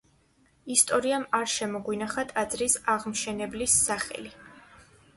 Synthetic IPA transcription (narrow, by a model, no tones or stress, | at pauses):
ist̪ʼɔɾiamaɾʃɛmɔɡwinaχat̪ʼad̪zɾisaʁmʃɛnɛblisːaχɛ̰li